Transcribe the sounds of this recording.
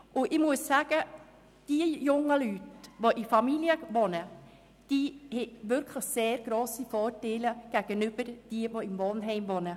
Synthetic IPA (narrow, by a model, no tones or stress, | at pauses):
ʔʊɪmuəssaːɡ̥ə | d̥iəjʊŋəlytʋoʔɪfɑmiljəʋonə | d̥iːhɛtʋʏɾkʰləçseːɾɡ̥ɾoːsifɔːɾtɛɪləɡ̥æɡ̥ənʏbəɾd̥iəʋoɪmvɔnɦɛɪmʋɔnə